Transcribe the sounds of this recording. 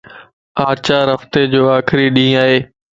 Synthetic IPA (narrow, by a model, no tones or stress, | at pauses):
aːt͡ɕaːɾɦəft̪ed͡ʑoːaːkʰɪɾiɗĩːaːɦeː